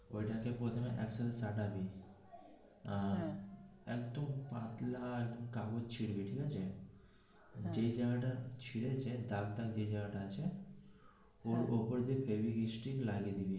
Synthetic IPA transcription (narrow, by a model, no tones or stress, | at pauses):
oiʈãkepoːt̪ʰemẽʔɛ̰ksəɾsaːʈabʱi | ã | ek̚t̪əmpãːt̪laek̚d̪əmkaːɡot͡ʃʰiɽbʱiʈʰikat͡ʃʰe | d͡ʒeid͡ʒaɡʈat͡ʃʰiɽet͡ʃʰed̪aɡt̪akd͡ʒeid͡ʒaɡʈat͡ʃʰe | oːɾoːpəɾd̪epʰeːʋiɡisʈiklaːɡed̪ibi